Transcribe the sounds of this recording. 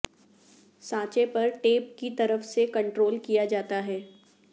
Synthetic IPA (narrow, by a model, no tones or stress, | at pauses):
sãːt͡ʃepɐɾʈeːp̚kit̪ɐɾəfsekɐ̃ɳʈɾoːlkijad͡ʒaːt̪aɦɛː